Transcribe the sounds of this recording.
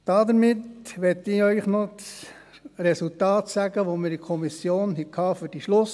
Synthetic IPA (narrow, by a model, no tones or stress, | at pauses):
d̥ɑd̪əɾmɪt̪ʋɛt̪ːɪœʏχnɔs | ɾɛsult̪ɑːt̪sæɡəʋomɪɾikʰɔmisjoːnɦɛkʰɑːfød̥iʃlʊs